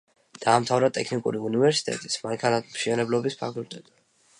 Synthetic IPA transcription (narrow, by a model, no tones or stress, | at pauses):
d̪̥aːmt̪ʰavɾat̪ʼɛkʰnikʼṵɾiunivɛɾsi̥t̪ʼɛ̰t̪ʼismaŋkʰanat̪ʰmʃɛnɛblɔbispʰakʰʼult̪ʼɛt̪ʼi̥